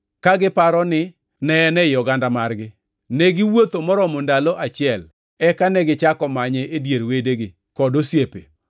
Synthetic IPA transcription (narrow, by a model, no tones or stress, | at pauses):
kaɡɪpaɾɔnɪ | nɛnɛjɔɡandamarɡɪ | neɡɪwot̪omɔɾɔmondaloʔat͡ʃɪɛl | ɛkanɛɡɪt͡ʃakɔmaɲɛʔedjeɾwedeɡɪ | kɔdosjepḛ